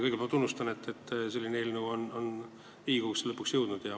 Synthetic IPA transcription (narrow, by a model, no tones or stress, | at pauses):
kɤjɡepælt̪unːust̪ɑnet̪ːe̞t̪ːse̞lʲːineeːlnuono̞n | iːɡ̥ukslɤpːˑuksjɤwd̪̥nud̪̥jɑ